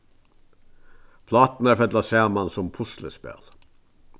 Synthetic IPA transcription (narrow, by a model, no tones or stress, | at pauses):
pʰlɑːt̪n̩æːfɛd̪lɑsæːmɑnsɔmpʰʊsləspḛːl